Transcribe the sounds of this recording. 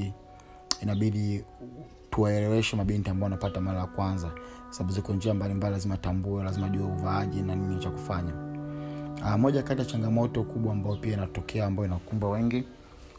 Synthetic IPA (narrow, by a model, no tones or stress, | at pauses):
inaɓiɗi | tuwaɛlɛwɛʃɛmaɓintiambaɔanapatamaɾajakwanzakwasaɓaɓuzikɔɔnd͡ʒiambalimbalilazimaːtambuɛlazimaʄuɛuvaaʄɛnaninit͡ʃaku̥faɲa | amɔʄakatijat͡ʃaŋɡamɔtɔkuɓwaːmbajɔpiainatɔkʰɛaːmbaɔinakumbwawɛŋɡi